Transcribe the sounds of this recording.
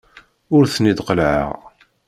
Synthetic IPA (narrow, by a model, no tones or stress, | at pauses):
ʊɾθnid̪qəlʕə̰ʁ